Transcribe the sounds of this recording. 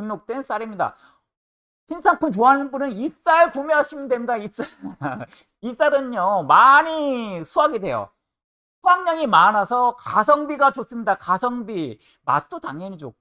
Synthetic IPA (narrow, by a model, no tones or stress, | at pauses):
ɯnnːok̚t͈wens͈aɾimɲida̰ | ɕʰinsʰaŋpʰɯmt͡ɕoanɯnbunɯnis͈aeɭkumjeɦaɕʰimɯndwe̞mɲidais͈a | is͈aɾɯnɲomaɲisʰuaɡidwe̞jo̰ | pʰwaŋɲaŋimanasʰʌkasʰʌŋbiɡat͡ɕos͈ɯmɲidakasʰʌŋbi | ma̰t̚t͈otaŋʌɲid͡ʑo̰